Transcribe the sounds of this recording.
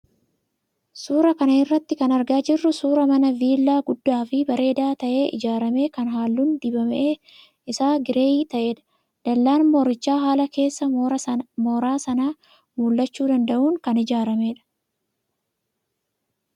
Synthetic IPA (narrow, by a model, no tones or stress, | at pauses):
suːɾɐkɐnɐɪrːɐt̪ːɪkɐnɐɾɡaːd͡ʒɪrːʊsuːɾɐmɐnɐviːlːaːɡʊd̪ːaːfɪbɐɾe̞ːd̪aːt̪ɐʔe̞ːʔɪ̰d͡ʒaːɾɐme̞ːkɐnɦaːlːuːnd̪ɪbɐmʔeː | ɪsaːɡɪɾe̞ːiːt̪ɐʔe̞ːᶑɐ̥ | d̪̥ɐlːaːnmoːɾɪt͡ʃːaːɦaːlɐke̞ːsːɐ | moːɾaːsɐnaː | muːlːɐt͡ʃːuːd̪ɐnd̪ɐʔuːŋkɐnɪd͡ʒaːɾɐme̞ːᶑɐ̥